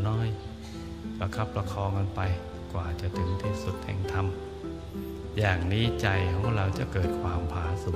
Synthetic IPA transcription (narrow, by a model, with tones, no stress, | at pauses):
nɔː˧˥˨j | pa˧kʰa˦˥˩pːɾa˧kʰɔː˧ŋka˧npa˧j | kwaː˨˩t͡ɕa˨˩t̪ʰɯ˨˩˦ŋt̪ʰiː˧˥˩su˨˩t̪̚hɛ̰ː˧˥˩ŋt̪ʰa˧m | jaː˨˩ŋniː˦˥˩t͡ɕa˧jkʰɔː˨˦˥ŋɾa˧wt͡ɕa˨˩kɤː˨˩t̪̚kʰwaː˧mpʰaː˨˦su˨˩˦